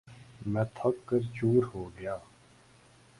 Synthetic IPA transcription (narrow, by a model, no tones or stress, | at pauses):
mɛ̃ːt̪ʰɐkːəɾt͡ʃuːɾɦoːɡəjaː